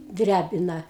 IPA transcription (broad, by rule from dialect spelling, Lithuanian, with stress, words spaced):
ˈdʲrʲæbʲɪnɐ